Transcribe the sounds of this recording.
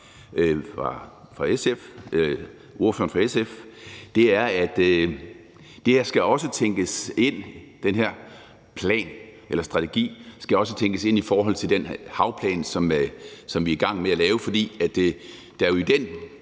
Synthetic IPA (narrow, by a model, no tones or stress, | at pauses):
fʁɑ | fʁɑ̈esef | ʔo̝ɐfø̰ɐn̩fʁɑ̈esefd̥e̝æɐæd̥ | d̥e̝hæɐsɡ̥æɒ̽sət͡sʰeŋɡ̥əse̝n̰ | d̥enɦeɐ̰ | pʰlɛ̰ːnʔelɐsd̥ʁɑ̈t͡sʰeɡ̥ḭːsɡ̥æɒ̽s̬ət͡sʰeŋɡ̥əse̝n̰ifɒːɦɒ̽l̰t͡sʰe̝ld̥enhɑ̈ʊpʰlɛ̰ːnsɒ̽msɒ̽mʋiæɐɡ̥ɑ̈ŋ̰meælɛːʊəfɒ̽d̥ḭːæd̥ | d̥ɑ̈joid̥en̰